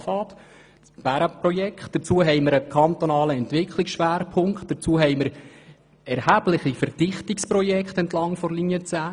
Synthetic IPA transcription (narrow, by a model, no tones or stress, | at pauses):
fɑːt̪ | b̥æɾəpɾɔjɛkχt̚d̥əɾt͡suːəɦɛjməɾəkʰɑnt̪ɔnɑːləɛntʋɪkʰliksʃʋæːɾpʰʊŋktd̥əɾt͡suəɦɛɪməɾ | ɛɾhæːb̥lɪχifəɾdɪχtikspɾɔjɛkt̪ɛntlɑŋfɔɾlinjət͡sæː